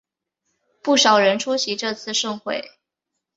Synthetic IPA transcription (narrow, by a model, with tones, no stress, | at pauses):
pu˥˩ʂɑ˨˩ʊɻə˧˦˥nʈ͡ʂʰu˥ɕi˧˥ʈ͡ʂɤ˥˧t͡sʰɹ̩˥˧ʂɤ˥˧ŋxwe˥˩ɪ